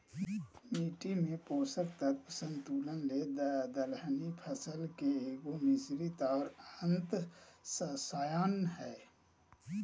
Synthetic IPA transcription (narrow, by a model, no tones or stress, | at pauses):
miːʈimẽpoːsək̚t̪ək̚pəsə̃nt̪uːlənled̪əd̪əlɦnipʰəsəlkeeːɡomɪsɾit̪aːɾə̃nt̪səsaːjaːnɦɛː